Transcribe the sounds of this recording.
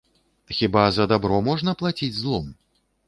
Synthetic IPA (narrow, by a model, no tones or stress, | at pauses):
xʲibazɐd̪abɾɔmɔʐnɐplˠat͡sʲid͡zʲzlˠɔm